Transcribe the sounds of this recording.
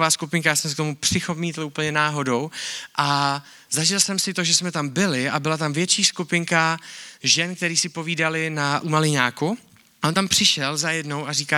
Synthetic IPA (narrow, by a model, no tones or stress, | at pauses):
vaːskupɪŋkajaːsɛms̬ɛkt̪o̞mupr̥ɪxomiːt̪luːpl̩ɲɛnaːɦo̞do̞wʔa | zaʒɪlsɛmsɪt̪o̞ʒɛsmɛt̪ambɪlɪabɪlat̪amvjɛt͡ʃiːskupɪŋkaʒɛnk̚t̪ɛɾiːsɪpo̞viːdalɪnaʔumalɪɲaːku | ʔont̪ampr̥ɪʃɛlzajɛdno̞wʔariːkaː